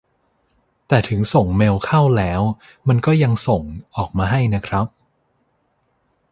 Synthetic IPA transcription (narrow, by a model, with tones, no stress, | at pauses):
t̪ɛː˨˩t̪ʰɯ˩˦ŋso˨˩ŋmeː˧wkʰa˥˩wlɛː˦˥w | ma˧nkɔː˥˩ja˧ŋso˨˩ŋʔɔː˨˩k̚maː˧ɦa˥˩jna˦˥kʰɾa˦˥p̚